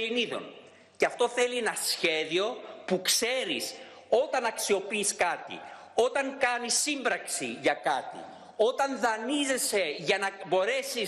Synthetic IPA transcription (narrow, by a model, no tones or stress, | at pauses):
liniðo̞̰n | ceɐft̪o̞θe̞lienɐsçe̞ðio̞pukse̞ɾis | o̞t̪ɐnɐksio̞piːskɐt̪ḭ | o̞t̪ɐŋkɐnisːimbɾɐksḭʝɐkɐt̪ḭ | o̞t̪ɐnðɐnize̞se̞ʝɐnɐbo̞ɾe̞si